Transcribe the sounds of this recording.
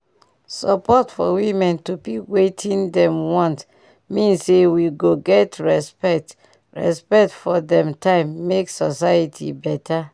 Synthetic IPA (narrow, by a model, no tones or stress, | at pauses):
sɔpɔtfɔ̰wĩmɛ̃ntupipwetʰĩndɛ̃mwɔ̃nt | mĩnsewiɡoɡɛtɹɛspɛk̚t | ɹɛ̰spɛk̚tfɔdɛ̃mtʰãɪ̃mːeksɔsaitʰḭbɛtʰa